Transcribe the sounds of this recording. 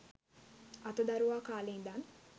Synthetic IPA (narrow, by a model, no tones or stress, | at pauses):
ɐt̪əd̪aɾuʋaːkaːleːnd̪an